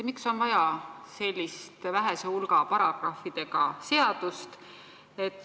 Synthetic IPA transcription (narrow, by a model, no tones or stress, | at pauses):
mikso̞nvɑjɑse̞lʲːist̪væɦeseulɡɑpɑɾɑɡ̥rɑfid̪̥e̞ɡ̥ɑse̞ɑd̪̥ust̪ | e̞t̪ːˑ